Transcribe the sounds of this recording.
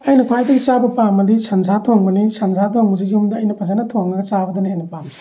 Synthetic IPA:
ɐjnɐpʰajdɐɡit͡ʃabɐpamːɐd̪isʰɐnzʱatʰoŋbɐnisɐŋzʱat̪ʰoŋbɐziɡumdɐɐjnɐpʰɐzanɐtʰoŋnɐɡɐt͡ʃabɐd̪ɐnajnɐpam

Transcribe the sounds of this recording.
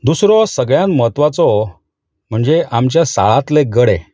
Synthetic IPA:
d̪usɾɔsəɡɭjãnməɦət̪ʋat͡sɔ | m̤əɳd͡zeamt͡ɕjasa̰ɭat̪leɡəɽɛ̃

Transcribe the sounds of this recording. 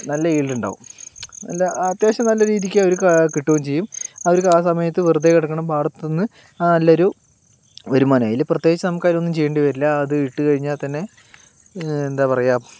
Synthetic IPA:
nɐlːɐiːɭɖuɳɖa̰ːʋṵmɐ̰lːɐɐt̪jeːɕɐmnɐlːɐɾiːðikʲːeoɾukkiʈːuʋɐmt͡ɕe̞jːumɐʋoɾukaːsɐmɐjɐt̪ːɨʋird̪ːɐkːɐɽɐkːɐɳɐmpaːɽɐt̪ːenːɨ | aːnɐlːɐoɾu | ʋɐɾumaːnaːjilprɐt̪ːjeːɡit͡ɕːɐnɐmukːaːjlonːumt͡ɕe̞jːeɳɖɨʋɐɾilːɐːðɨiʈːɨkɐɻiɲːaːɭt̪ɐnːe̞ | end̪aːpɐrɐjaːm

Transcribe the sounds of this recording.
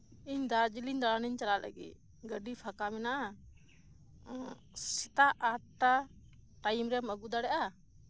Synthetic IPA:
iɲd̪ad͡ʒiliɲd̪alaniɲt͡ʃalalʔə̰ɡḭt̪̚ | ɡəɖipʰakamɛnaʔa | sit̪aʔaʈaʈajmɾɛməɡud̪aɽɛʔa

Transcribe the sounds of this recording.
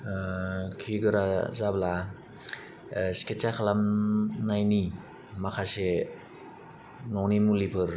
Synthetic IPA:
kʰiɡɯɾazabla | si̥ket͡ʃakʰalamnajni | makʰase | nɔwnimulipʰɯɾ

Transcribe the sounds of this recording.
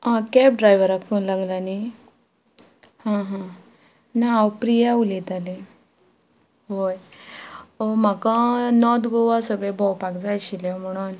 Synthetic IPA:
ãkɛp̚ɖɾajʋəɾakʰũnlaɡlani | ɦãɦã | naawpɾijaulit̪ale | ɦoj | om̤akãnɔd̪ɡoʋasəbebɔwpakd͡zajɕiljam̤əɽ̃uːn

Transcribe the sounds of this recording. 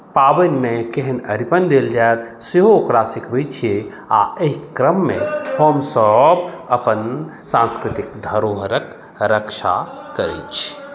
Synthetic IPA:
paːbənmẽkeɦənəɾipənd̪eld͡ʒaet̪̚ | seɦoːkɾasikbit͡ʃʰie | a̰eɦikɾəmːẽhomsəbəpən | sãnskɾɪt̪ik̚d̪ʱəɾoɦəɾək | ɾəkʃa̰kəɾḛt͡ʃʰi̥

